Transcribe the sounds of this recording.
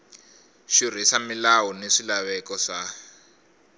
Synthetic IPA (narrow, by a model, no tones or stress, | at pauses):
ʃir̤isamilawɔneʂilaβɛkɔʂa